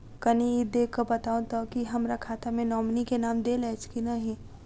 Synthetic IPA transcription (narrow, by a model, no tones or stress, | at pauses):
kɐniid̪eːkʰːəbɐt̪aːũt̪okiɦɐmɾakʰaːt̪amẽnɔːmnikenaːmd̪eːlɛːt͡ʃkinaɦĩ